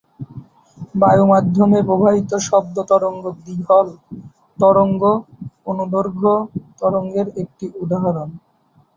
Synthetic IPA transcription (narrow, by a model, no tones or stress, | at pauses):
bajomad̪ʱːomepɾobʱaɦit̪oʃɔb̚d̪ot̪ɔɾoŋɡod̪iɦɔl | t̪ɔɾoŋɡoonub̪oɾɡʱot̪ɔɾoŋɡeɾek̚ʈiʔud̪aɦɔɾon